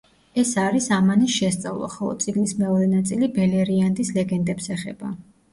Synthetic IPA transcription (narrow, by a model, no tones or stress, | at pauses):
ɛsaɾisamanisʃɛst̪sʼa̰vlˠa̰χɔlˠɔ̰dt̪sʼiɡnismɛɔɾɛnat̪sʼilibɛlɛɾiand̪islɛɡɛnd̪ɛpsɛχɛba̰